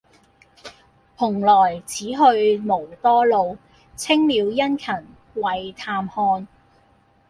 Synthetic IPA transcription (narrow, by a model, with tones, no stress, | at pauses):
pʰʊ˨˩ŋlɔː˨˩jt͡sʰiː˨˥ɦɵ˧ɥmo˨˩wt̪ɔː˥lo˨˧w | t͡sʰɪ˥ŋmiː˨˧wjɐ˥nkʰɐ˨˩n | wɐ˨jt̪ʰaː˧mhɔː˧n